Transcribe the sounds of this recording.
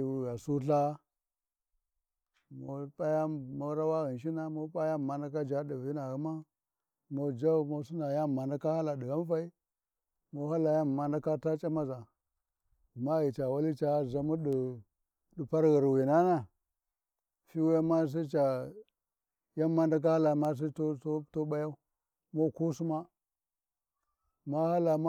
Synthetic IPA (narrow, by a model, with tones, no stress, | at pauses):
ɣa˨su˦ɬa˦ | mo˨pa˦ja˦mo˦ɾa˦wa˦ɣi˨n˨ʃ̬i˦na˦mo˦pa˦ja˦˨ma˨na˦ka˦d͡ʒa˦di˨vi˦na˨ɣu˨˦ma˦ | mo˨d͡ʒa˦˨mo˦su˦na˨ja˦˨ma˨na˦ka˦ha˦la˨ɗi˨ɣa˦m˦fa˦i˦ | mo˨˦ha˦la˨ja˦m˨ma˨na˦ka˦ta˦t͡ʃʼa˦ma˦za˨ | ma˦ji˨t͡ʃa˨wa˦li˦t͡ʃa˨˦˨za˨mu˦ɗi˨ | ɗi˨pa˦ɾɣi˨ɾwi˨na˦na˦ | fi˦wja˦ma˦s̬i˦t͡ʃa˨ | ja˦ma˦nda˦k̬a˦ha˦la˨ma˦s̬i˦tto˦ɓa˦ja˦u˦ | mo˦ku˦su˦ma˦ | ma˦ha˦la˨ma˦